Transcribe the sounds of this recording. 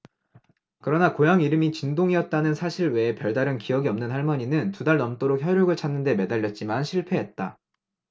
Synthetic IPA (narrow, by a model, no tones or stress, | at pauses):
kɯɾʌnakojaŋiɾɯmit͡ɕindoŋiʌt̚t͈anɯnsʰaɕʰiɾwe̞pjʌɭdaɾɯnkijʌɡiʌmnɯnhaɭmʌɲinɯntudaɭnʌmt͈oɾok̚çjʌɾjoɡɯɭt͡ɕʰanːɯnde̞me̞daʎːjʌt̚t͡ɕ͈imanɕʰiɭpʰe̞ɦet̚t͈a